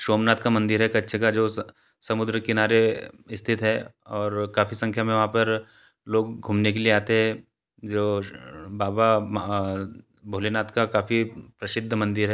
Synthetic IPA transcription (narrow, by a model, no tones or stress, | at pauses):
ʃoːmnaːt̪kamɐ̃nd̪ɪɾɦɛkɐtːʃʰekad͡ʒoː | sɐmʊd̪ɾəkɪnaːɾeɪst̪ʰɪt̪ɦɛː | ɔːɾkaːfisɐ̃ŋkʰjamẽʋɐɦãpɐɾ | loːɡ̚ɡʱuːmnek̬elieaːt̪eɦɛ̃ | d͡ʒoːbaːba | bʱoːlenaːt̪kakaːfipɾɐsɪd̪ʱːəmɐ̃nd̪ɪɾɦɛ